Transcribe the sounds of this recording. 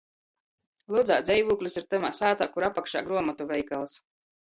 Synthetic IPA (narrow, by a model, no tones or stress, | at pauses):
lˠud̪za̰ːd̪zʲɛjvuːklʲisiɾt̪ɨmaːsaːt̪aːkuɾapakʃa̰ːɡɾuɔmat̪uvʲɛjkalˠs